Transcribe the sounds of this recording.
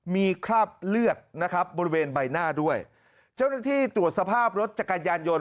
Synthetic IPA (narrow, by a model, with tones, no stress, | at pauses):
miː˧kʰɾaː˥˩p̚lɯ˥˩ət̪̚na˦˥kʰɾa˦˥p̚bɔː˧ɾi˦weː˧nba˧jnaː˥˩du˥˩əj | t͡ɕaː˥˩wnaː˥˩t̪ʰiː˥˩t̪ɾu˨˩ət̪̚sa˧pʰaː˥˩p̚ɾo˦˥t̪̚t͡ɕa˨˩ka˧njaː˧njo˧n